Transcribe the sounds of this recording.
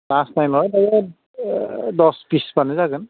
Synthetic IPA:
lasnajlɔɹadakɛ | dɔspispanɛzakɯn

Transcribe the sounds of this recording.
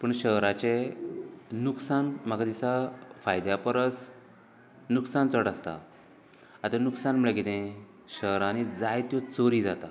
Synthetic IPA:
pəɳɕəɦɾat͡ɕe | nuksanm̤akad̪isafajd̪japəɾəs | nuksant͡səɽast̪a̰ | at̪anuksanm̤əɭekit̪ẽ | ɕəɦɾanid͡zajt̪jɔt͡soɾiːd͡zat̪a

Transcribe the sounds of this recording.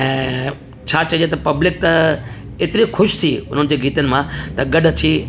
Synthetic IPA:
ɛ̃ː | t͡ɕʰaːt͡ɕɐjet̪ɐpɐblɪk̚t̪ɐ | ɪt̪ɪɾixʊʃt̪ʰiʊn̤ənɪ̆d͡ʑeːɡiːt̪ənɪ̆mãt̪ɐɡɐɖət̪ʰiː

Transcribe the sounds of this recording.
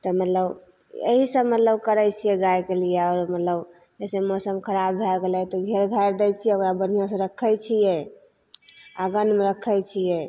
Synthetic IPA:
t̪ɔmət̪ləb | ḛɦisəbmət̪ləbkəɾɛt͡ʃʰijɛɡajkelijɛɔɾmət̪ləb | d͡ʒɛsemɔsəmkʰəɾabbʱɛɡelɛt̪ɔɡʱeɾɡʱajɾd̪ɛjt͡ʃʰiɛokɾabən̤ijãsə̃ɾəkʰːəjt͡ʃʰijɛ | aɡənmeɾəkʰːəjt͡ʃʰijɛ

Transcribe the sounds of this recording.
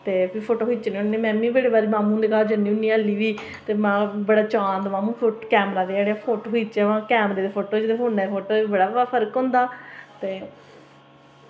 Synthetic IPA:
t̪eːbiːpʰoːʈoːɦiːt͡ʃnĩːʊnẽːmɛ̃ːmĩːbeːɽeːbaːɾiːmãːmũːnd̪eːkaːd͡ʒəniːɦʊ̃nĩːəlːiːʋiː | t̪eːmãːbəɽaːt͡ʃãːnd̪mãːmũːpʰoːkɛːmɾaːd̪eeɽeapʰoːʈoːɦiːt͡ʃɛʋãːkɛːmɾeːd̪eːpʰoːʈoːd͡ʒɪd̪eːɦoːnɛːpʰoːʈoːebəɽaːpʰəɾkɦʊ̃nd̪aːt̪eː

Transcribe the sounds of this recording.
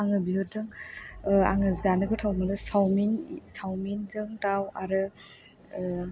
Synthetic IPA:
aŋɯbiɦɯdɯŋ | a̰ŋɯzanɯɡɯtʰawmɯdɯsawminsawminzɯŋtawaɾɯ

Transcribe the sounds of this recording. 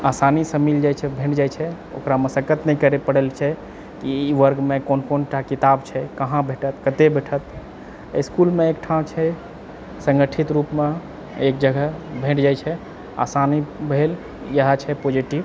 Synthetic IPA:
asanisəmild͡ʒajt͡ʃʰɛbʱẽʈd͡ʒajt͡ʃʰɛ | o̰kɾaməsəkət̪nɛikəɾepəɽelt͡ʃʰɛ | kiʋəɾɡmekonkonʈakit̪abt͡ʃʰɛkəɦãbʱeʈət̪kət̪ebʱeʈʰət̪ | iskulmeekʈʰãt͡ʃʰɛ | sə̃ŋɡəʈʰit̪ɾupme | ek̚d͡ʒəɡʱəbʱẽʈd͡ʒajt͡ʃʰɛ | a̰sanibʱel | jəɦat͡ʃʰɛpod͡ʒiʈib

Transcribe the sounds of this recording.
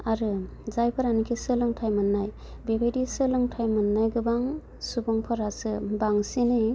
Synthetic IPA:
aɾɯ | zajpʰɯɾanikʰisɯlɯŋtʰajmɯnːaj | bebejdisɯlɯŋtʰajmɯnːajɡɯbaŋ | subɔŋpʰɔɾasɯbaŋsinɯj

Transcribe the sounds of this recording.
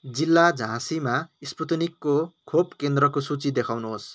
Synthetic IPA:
d͡zilːad͡zʱãsimaisput̪nikːokʰopkend̪rʌkosut͡sid̪ekʰawnuɦos

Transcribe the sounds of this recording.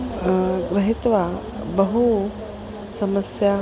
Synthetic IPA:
ɡɾɐɦit̪ʋa | bɐɦu | sɐmɐsja

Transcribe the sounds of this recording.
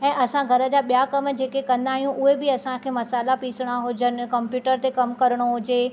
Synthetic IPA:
ɛ̃ːʔɐsãɡʱɐɾə̆d͡ʑaːɓijakɐmd͡ʑeːkekɐ̃nd̪aːɦijũʔʊɦebɪɐsãkʰeːmɐsaːlapiːsɪɽ̃aɦʊd͡ʑənɪ̆kɐmpjuːʈəɾt̪ekɐmkɐɾəɽ̃oɦʊd͡ʑe

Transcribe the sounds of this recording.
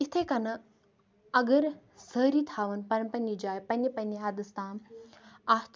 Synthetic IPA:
it̪ʰekɐnɐ | ɐɡəɾ | səɾiːt̪ʰaːʋənpɐɳpɐnːid͡ʒaːjpɐnːipɐnːiɦad̪ɨst̪ʰaːm | aːt̪

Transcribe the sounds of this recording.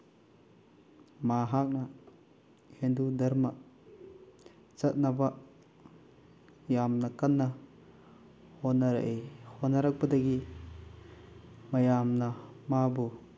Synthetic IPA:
maɦak̚na | hendudɐɾma | t͡ʃɐt̪̚naba | jamnakanːa | hɔnaɾaʔehɔnaɾak̚bɐdaɡi | mɐjamnamabu

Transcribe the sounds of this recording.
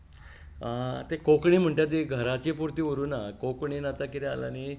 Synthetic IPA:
t̪ekokɳim̤əɳʈ̪jad͡ʑeɡʱəɾat͡ɕipuɾt̪iːʋɾuːnakokɳinat̪akit̪ea̰la̰ni

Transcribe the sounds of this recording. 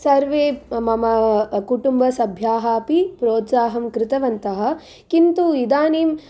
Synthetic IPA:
sɐɾʋeːmɐmɐkuʈumbɐsɐbʱjaːɦaːpipɾoːt̪saːɦɐmkɾɪt̪ɐʋɐnt̪ɐɦɐ̆ | kint̪uid̪aːniːm

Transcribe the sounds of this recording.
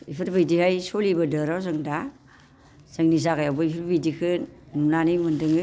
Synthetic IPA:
ḭpʰɯɾbɯjdihajsolibɐdɯɾawzɯŋda | z̥aŋnizakajawbɯipʰɯɾbijdikʰɯ | numnanimɯndɯŋɯ

